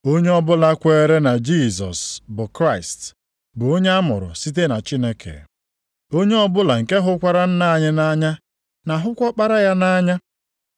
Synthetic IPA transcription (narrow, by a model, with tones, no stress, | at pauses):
o˦ɲe˦ɔ˦bʊ˦la˦kʷe˦ɾe˦na˨d͡ʒi˦˨sɔ̰˨sbʊ˨kɾa˦˨ɪ˨st | bʊ˨o˦ɲe˦a˦mʊ̰˨ɾʊ̰˨si˦t̬e˦na˨t͡ʃi˦ne˦kʰḛ˨ | o˦ɲe˦ɔ˦bʊ˦la˨ŋ̩˨ke˦ɦʊ˦kʷa˦ɾa˦n̩˦na˦˨ɲɪ˦na˦ɲa˦ | na˨ɦʊ˦kʷɔ˦k͡pa˦ɾa˦ja˦na˦ɲa˦